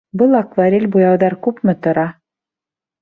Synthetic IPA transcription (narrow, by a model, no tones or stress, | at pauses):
bɤlˠɑkvaɾʲelʲbujɑwðɑɾkʉpmɘ̆t̪ŏɾɑ